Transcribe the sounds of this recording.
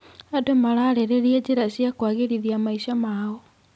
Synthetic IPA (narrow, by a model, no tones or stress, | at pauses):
adomaɾaɾeɾeɾied͡ʑeɾaɕjakwaɣeɾiðiamaiɕamao